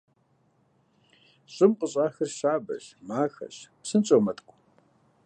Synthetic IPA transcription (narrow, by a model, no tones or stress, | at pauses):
ɕʼɪmqʼəɕʼaːxɐrɕaːbɐ̰ɕmaːxɐ̰ɕpsɨnt͡ʃʼomɐtʰʼkʷʰʼ